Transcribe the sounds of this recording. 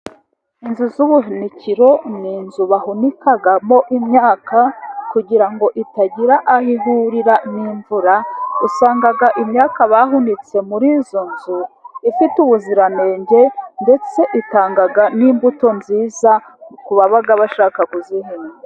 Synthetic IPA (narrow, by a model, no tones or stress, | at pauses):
inzuzuβuɦiniciɾo̞niːnzuβaɦunikaɡamo̞ʔimɲaːkakuɟiɾaŋɡo̞ʔitaɟiɾaʔahiɦuɾiɾaniːɱvuɾausaːŋɡaɡaʔimɲaːkaβaɦunit͡se̞muɾiːzo̞nzuifituβuziɾane̞ːɲɟe̞nde̞t͡se̞ʔitaːŋɡaɡaniːmbuto̞nziːza | kuβaβaɡaβaʃaːkakuzihiːnɡe